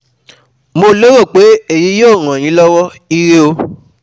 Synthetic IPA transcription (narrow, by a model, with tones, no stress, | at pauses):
mo˧lo˦ɾo˦˨k͡pe˨˦e˦˨ji˨˦jo˦˨ɾ̃ã˨j̃ĩ˨˦lɔ˦wɔ˦ | i˦ɾe˦o˧